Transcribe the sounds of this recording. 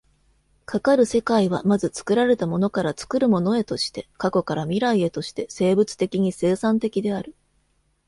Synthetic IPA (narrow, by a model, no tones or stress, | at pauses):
kʰakaɾɯ̟se̞kaiβamazɨt͡sɨ̥kɯ̟ɾaɾe̞t̪amo̞no̞kaɾat͡sɨ̥kɯ̟ɾɯ̟mo̞no̞e̞t̪o̞ɕi̥t̪e̞kako̞kaɾamʲiɾaie̞t̪o̞ɕi̥t̪e̞se̞ːbɯ̟t͡sɨ̥t̪e̞kʲiɲ̟ise̞ːsãnt̪e̞kʲid̪e̞aɾɯ̟